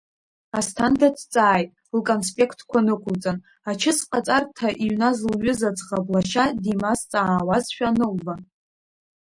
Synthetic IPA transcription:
astʰandatʰt͡sʼaːjtʼ | lkʼonspʼe̞kʰtʰkʷʰanɨkʷʰʊlt͡sʼan | at͡ʃʰɪsqʼat͡sʼartʰaʔiɥnazlɥʊzat͡sʼʁablaʃadimast͡sʼaːwazʃᶣanɨlva

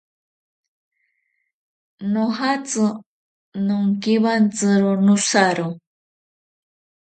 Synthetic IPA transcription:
noɦat͡sɨ | nʊŋkiwant͡sɨɾʊnʊsaɾʊ

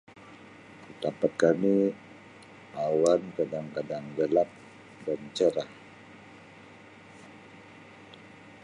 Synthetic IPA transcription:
kit̪apat̪̚kami | awankadaŋkadaŋɡəlap̚ | dant͡ʃəɾah

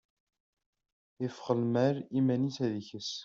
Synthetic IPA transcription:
ɪfχəlmæɾimænisæðiçəs

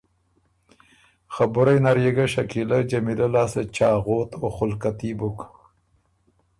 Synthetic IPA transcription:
xabʊɾajnaɾjeɡaʃakilad͡ʒamilalaːset͡ʃɑːɣoːt̪oxʊlkat̪ibuk

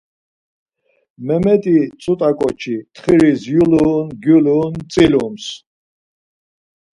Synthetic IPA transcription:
mɛmɛt̪ʼit͡sʼut̪ʼakʼɔt͡ʃʰit̪χiɾisjuluːnɡjuluːnt͡sʼilums

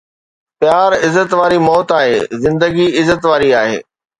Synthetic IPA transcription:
pjaːɾɪzət̪ʋaːɾimɔːt̪aːɦḛːzɪ̃nd̪əɡiɪzət̪ʋaːɾiaːɦḛː

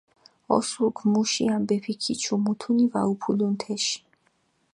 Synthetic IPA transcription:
ɔ̰suɾɡʰmuʃiambɛpʰikʰit͡ʃʰumut̪ʰunivaupʰulunt̪ʰɛʃi̥

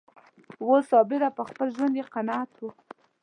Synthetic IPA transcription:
wosɑbɪɾapəxpəlʒwand̪jeqanɑat̪wu

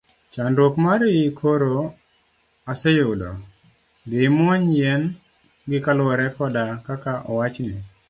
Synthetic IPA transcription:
t͡ʃandwokmaɾjikʰoɾo | asɛjʊdɔ̰ | dɪmɔɲjɛn | ɡɪkalwɔɾɛkɔdakakaʔɔwat͡ʃnɪ

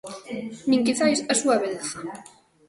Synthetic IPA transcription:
nĩŋkiθajsasuaβeðθa

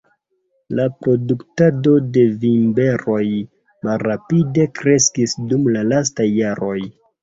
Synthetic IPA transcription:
lapɾo̞duktado̞de̞vimbe̞ɾo̞j | malɾapide̞kɾe̞skisdumlalas̬tajːaɾo̞j

